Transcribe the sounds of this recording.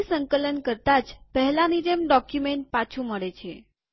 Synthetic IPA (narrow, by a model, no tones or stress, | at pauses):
səŋkələnkəɾt̪ad͡ʒpəɦlanid͡ʒemɖɔkjumeɳʈ̚pat͡ʃʰuməɽet͡ʃʰe